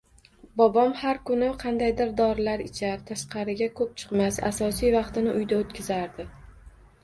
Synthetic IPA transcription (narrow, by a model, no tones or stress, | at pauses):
bɒbɒmhaɾkʊnɪqʰɑnd̪ajd̪ɪɾd̪ɒɾɪlaɾɪt͡ʃʰaɾt̪ʰaʃqɑɾɪɡʲakʰɵp̚t͡ʃʰɨ̥qmasa̰sɒsijvɑqt̪ɪnɪʔʊjd̪aot̪̚kʲʰɪzaɾd̪ɪ